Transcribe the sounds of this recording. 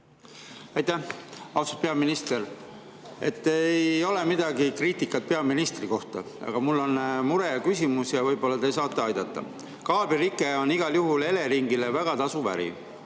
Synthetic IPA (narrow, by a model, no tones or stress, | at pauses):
ɑjt̪ːæhɑwsupe̞ɑminist̪e̞ɾ | e̞̰t̪ˑːejo̞le̞mid̪̥ɑɡikriːt̪ˑikːˑɑt̪̚pe̞ɑminist̪riko̞ht̪ɑ | ɑ̰ɡ̥ɑmulːo̞nmuɾekysʲimusjɑvɤjb̥o̞lːɑt̪ejsɑːt̪ːˑeɑjd̪ɑt̪ːɑ̰ | kɑːbiɾikːˑeo̞niɡ̥ɑljuɦule̞le̞ɾiŋɡilevæɡ̥ɑt̪ɑsuvæ̰ɾḭ